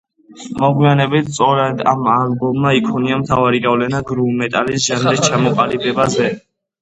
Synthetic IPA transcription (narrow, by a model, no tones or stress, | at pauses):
mɔʁwianɛbit̪t̪sʼɔɾɛd̪amalbɔmːaikʰɔniamt̪ʰavaɾiɡavlɛnaɡɾulmɛt̪ʼalisʒamd̪ɛst͡ʃʰamɔqʼalibɛbazɛ